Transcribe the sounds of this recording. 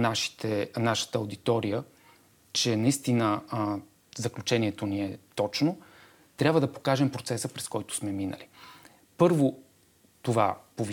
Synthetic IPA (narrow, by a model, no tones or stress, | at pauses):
naʃi̥t̪ɛnaʃə̥t̪əːowd̪it̪ɔɾijə | t͡ʃɛnɐist̪inə | zɐklʲut͡ʃɛniɛt̪oniɛt̪ɔt͡ʃno | t̪ɾʲabvəd̪ɐpo̥kaʒɛmpɾot̪sɛsəpɾɛskɔjt̪ʊ̥smɛminə̰li | pɤɾvo | t̪ova̰povi